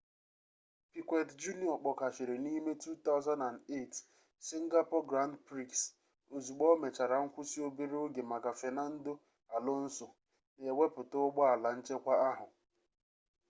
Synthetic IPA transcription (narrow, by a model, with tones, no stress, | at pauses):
pi˨kʷe˨td͡ʒu˦ni˨˦ɔ˨k͡pɔ˨ka˨ʃɪ˨ɾe˨ni˦me˦tu˦t̪a˦ʊ˦za˦nda˨nde˦˨t | si˦ŋ̩˦ɡa˦po˦ɡɾa˦n˦dpɾi˦ks | o˨zu˨ɡ͡bɔ˦me˨t͡ʃa˨ɾa˨ŋ̩˦kʷʊ˦si˦o˦bi˦ɾe˦o˦ɡe˨ma˨ka˨fe˨na˦n̩˦do˦ | a˨lo˦n̩˦sʊ˨ | ne˨we˦pʊ˨tʊ˦ɡ͡bɔ˦a˨la˨n̩˦t͡ʃe˦kʷa˦a˦ɦʊ˨